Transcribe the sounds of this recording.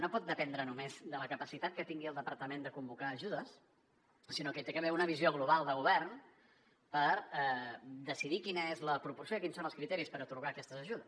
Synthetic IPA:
nopɔt̪̚d̪əpɛnd̪ɾənumezd̪ələkəpəsit̪at̪̚kət̪iŋɡiəlˠd̪əpəɾt̪əmend̪əkumbukaːʒuðəs | sinokət̪ekəβɛunəβizioɣ̞luβ̞alˠd̪əɣuβɛrn | pəɾɛd̪əsiðikinəezləpɾupursijoikinsonəlˠskɾit̪ɛɾispəɾət̪uɾɣaːkɛst̪əzəʒuðəs

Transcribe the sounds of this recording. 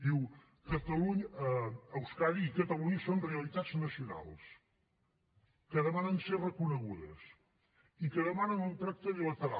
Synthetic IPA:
iw | kɐt̪ɐlˠuɲɐɐɐwskaɾiikɐt̪ɐlˠuɲɐsõw̃riɐlˠit̪ad̪znɐsjuna̰lˠʃ | kɐðɐmanɐ̃nseɾrəkunɐɣuðɐ̰s | ikɐðɐmanɐ̃ŋũnt̪ɾak̚t̪oðilˠɐt̪ɨɾa̰

